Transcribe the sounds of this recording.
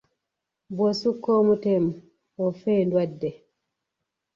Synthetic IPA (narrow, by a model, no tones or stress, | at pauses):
bɔsukːɔmutɛm | ɔfɛːndwadːɛ